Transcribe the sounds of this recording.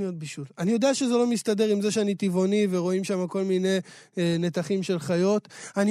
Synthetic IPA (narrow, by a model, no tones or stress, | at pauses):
eod̪biʃulanijo̞d̪eaʃe̞zelo̞mist̪ad̪e̞ʁimzeʃeanit̪ivo̞niveʁo̞imʃamako̞lmine̞ | ne̞t̪aχimʃe̞lχajo̞t̪ani